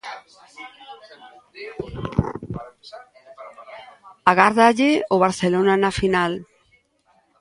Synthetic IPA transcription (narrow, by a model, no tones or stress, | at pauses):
aɣaɾðaʎeoβaɾθelonanafinal